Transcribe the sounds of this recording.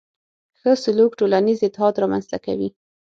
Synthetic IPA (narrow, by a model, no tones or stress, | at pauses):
xəsʊlukʈolanizɪt̪ːɪɦɑd̪ɾɑmanzt̪aka̰wi